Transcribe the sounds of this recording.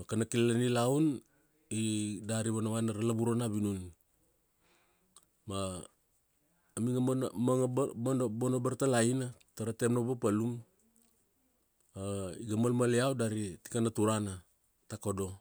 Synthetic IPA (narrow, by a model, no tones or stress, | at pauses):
kanakilalanilaun | idaɾiβanaβanaɾalaβuɾonaβinun | ma | miŋamnmaŋabanobonobaɾtalainataɾatemnoβapalum | aiɡamalmaleawdaɾiti̥kanatuɾana | takodo̞